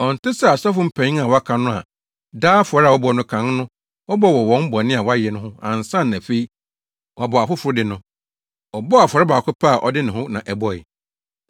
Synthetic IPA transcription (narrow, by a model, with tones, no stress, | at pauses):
ɔ˨n̩˨tɪ˦sɛ˦a˨sɔ˦fʊ˦m̩˨pʰæ̃˨ɲĩ˦a˨wɔ˨a˦kʰã˨nʊ̃˦a̰˨ | daː˦fʊ˨ɔ˨˦ɾa˨wɔ˦bɔ˨nʊ̃˦kʰã˨˦ŋ˦nʊ̃˦ | wɔ˦bɔ˦˨wɔ˨wɔ̃˨˦m̩˦bɔ˨nɪ̃˦a˨wɔ˦a˦jɛ˨nʊ̃˦ɦʊ̃˦ã̰˨n̩˨sã˦n˨æ˨fe˦i˦ | wa˨bɔ˨a˨fʊ˦fʊ˨ɾʊ˦dɪ˨nʊ̃˦ | ɔ˨bɔ˦a˨fɔ˨ɾɪ˦baː˨kʰʊ˦pʰa˦a˨ʔɔ̰˨dɪ˦nɪ̃˨hʊ̃˦nã̰˨ʔɛ˨bɔ˦ɪ˨